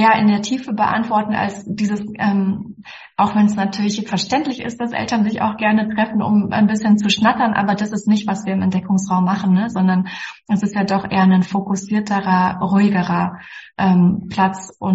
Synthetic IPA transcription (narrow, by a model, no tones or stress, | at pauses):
jaːʔɪndeːɐtʰiːfəbəʔa̰ntv̥ɔɐtn̩ʔa̰lsd̥iːzəsʔɛːm | ʔaʊxv̥ɛnsnatʰyːɐlɪçfɛɐʃtɛntlɪçɪ̰st̚d̥asʔɛ̰ltɐnzɪça̰ʊxɡ̥ɛɐnətʁ̥ɛfn̩ʊ̰mʔa̰ɪnbɪsçənt͡suʃnatɐnʔa̰ːbɐdasɪstnɪçtv̥asv̥iːɐɪmɛntd̥ɛkʊŋsʁaʊmːaχn̩nəzɔndɐnʔɛsɪstjaːdɔχʔḛːɐnənfokʊsiːɐtʰəʁɐʁuɪɡəʁɐʔɛːmpl̥at͡sʔʊn